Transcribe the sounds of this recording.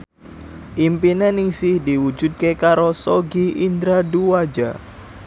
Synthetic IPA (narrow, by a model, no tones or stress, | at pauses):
ʔimpinenɪŋsɪhdiwu̥d͡ʒ̥ṳt̪̚kekaɾosoɡiʔind̪ɾaduwḁd͡ʒa̰